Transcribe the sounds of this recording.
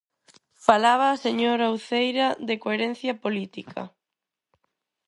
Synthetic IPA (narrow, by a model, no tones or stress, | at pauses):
falaβaːseɲoɾawθejɾɐðekoeɾẽn̟θjɐpolit̪ikʰɐ̰